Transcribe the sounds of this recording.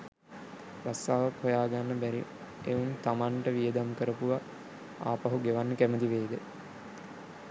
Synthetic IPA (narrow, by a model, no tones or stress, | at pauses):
ɾast̪aːʋakhojaːɡanːəbæɾi | eunt̪amaɳʈəʋijəd̪amkəɾəpuʋa | a̰ːpaɦuɡeʋanːəkæməd̪iʋeːd̪ə